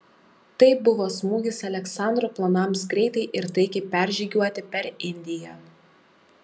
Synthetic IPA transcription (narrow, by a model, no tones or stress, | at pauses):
t̪ɐɪbʊʋoːsmuːɡʲɪsɐlʲɛksɑˑnd̪ɾoːplˠɐnɐˑmsɡɾʲɛɪt̪ɐɪʔɪɾt̪ɐɪkʲɛpʲæˑɾʲʒʲiːɡʲuɔt̪ʲɪpʲɛɾɪnʲd̪ʲɪjɛː